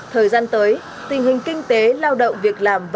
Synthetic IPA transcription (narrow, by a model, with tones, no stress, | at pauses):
t̪ʰəː˨˩jzaː˧nt̪əː˨˦j | t̪ï˨˩ŋ̟ɦï˨˩ŋ̟kï˧ŋ̟t̪e˨˦laː˧wɗə̰˧˨wŋ͡mvi˨˩ək̚laː˨˩mv